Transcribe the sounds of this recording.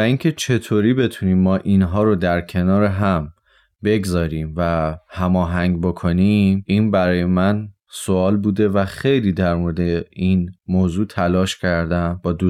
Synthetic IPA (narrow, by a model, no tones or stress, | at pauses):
væincʰe̞t͡ʃʰe̞t̪ʰoːɾiːbe̞t̪ʰuniːmːɒːʔinɦɒːɾod̪æɾcʰe̞nɒːɾeɦæm | be̞ɡzɒːɾiːmvæhæmɒːɦæŋɟbo̞kʰo̞niminbæɾɒːje̞mæn | so̞ɒːlbuːd̪e̞væxe̞jliːd̪æɾmoɾed̪e̞inmoːzuːt̪ʰælɒːʃcʰæɾd̪ænbɒːd̪uː